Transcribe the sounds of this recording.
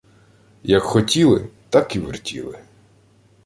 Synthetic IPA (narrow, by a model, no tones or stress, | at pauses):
jɐkxɔtʲilˠɪt̪ɑkiʋɪ̰rtʲḭlˠɪ̰